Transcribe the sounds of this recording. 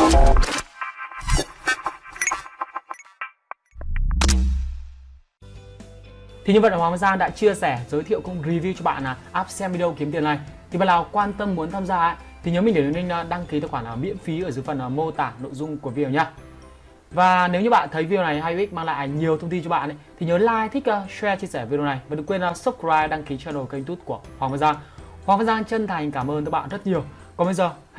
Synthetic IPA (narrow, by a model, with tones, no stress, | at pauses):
t̪ʰi˨˩˨ɲə˧və˧˨ʔwaː˨˦ŋzaː˧nɗa̰ː˧˥t͡ɕi˧əsɛ˧˩zəː˨˦jt̪ʰḭ˧˨əwkʊ˧wŋ͡mɾi˧vi˧wt͡ɕɔ˧ɓa̰ː˧˨naː˨˩ʔaː˦˥p̚sɛ˧mi˧ɗə˧wki˨˦əmt̪i˨˩na˨˩jt̪ʰi˨˩ɓa̰ː˧˨laː˨˩wkwaː˧nt̪ə˧mːu˨˦ənt̪ʰaː˧mzaː˧ʔa̰ː˧˥ | t̪ʰi˨˩ɲəː˨˦i˨˩ŋɗe˧˩˨ni˧ŋ̟a˨˧ɗa˧ŋki˨˦t̪a˧˩xwaː˧˩ŋlaː˨˩mḭ˧˥ənfi˨˦ʔəː˧˩zɨ˨˦fə˨˩nː˨˩mo˧t̪aː˨˩no̰˧˨jzʊ˧ŋ͡mku˧˩əvi˧ɗə˨˩ɲaː˧ | vaː˨˩ne˨˦wɲɨ˧ɓa̰ː˧˨nt̪ʰə˨˦jvi˧i˧˨na˨˩jɦaː˧jwi˦˥k̚maː˧ŋla̰ː˧˨ɲi˨˩əwt̪ʰə˧wŋ͡mt̪i˧t͡ɕɔ˧ɓa̰ː˧˨nʔə˨˦t̪ʰi˨˩ɲəː˨˦laː˧˨jt̪ʰï˦˥k̚ʔə˧swɛ˧t͡ɕi˧əsɛː˧˩vi˧ɗi˧˨˩na˨˩jvaː˨˩ɗɨ˨˧˩kwe˧nʔa˨˧˦su˦˥p̚kaː˧jɗa˧ŋki˨˦t͡ɕɔ˧no˨˩jkə˧jmt̪u˦˥t̚ku˧˩əhwaː˨ŋvaː˧nzaː˧ŋhwaː˨˩ŋva˧nzaː˧ŋt͡ɕə˧nt̪ʰa˨˩jŋ̟kaː˧˩mʔəː˧n˨˧˦ɓa̰ː˧˨nzə˦˥t̚ɲi˨˩əw | kɔ˨˦ɓə˧zəː˨˩